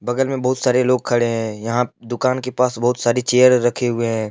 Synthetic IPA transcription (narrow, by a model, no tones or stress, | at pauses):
bɐɡəlmẽbɐɦʊt̪saːɾeloːɡ̚kʰɐɽeɦɛ̃jɐɦãd̪ʊkaːnkepaːsbɐɦʊt̪saːɾit͡ʃeːjəɾːɐkʰeɦʊeɦɛ̃ː